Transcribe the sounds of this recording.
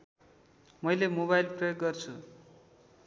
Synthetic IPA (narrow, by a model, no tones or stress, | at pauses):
mʌjlemoβajlprʌjoɡːʌrt͡sʰu